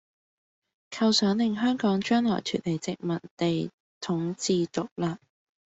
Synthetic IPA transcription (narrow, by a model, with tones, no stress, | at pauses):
kʰɐ˧wsœː˨˥ŋlɪ˨ŋɦœː˥ŋkɔː˨˥ŋt͡ʃœː˥ŋlɔ̰ː˨˩jt̪ʰyː˨˩t̚le˨˩jt͡sɪ˨k̚mɐ˨tt̪e˨j | t̪ʰʊ˨˥ŋt͡siː˨t̪ʊ˨k̚laː˧